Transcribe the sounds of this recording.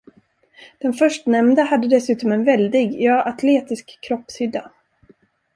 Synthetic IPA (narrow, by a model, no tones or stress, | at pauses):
d̪̥ɛnfœʂʈnɛmnd̪əhad̪ːəd̪ɛsʉ̟ːt̪ɔmɛnvɛld̪ɪɡjɑːʔat̪ʰleːt̪ɪskʰːɾɔpshʏd̪ːa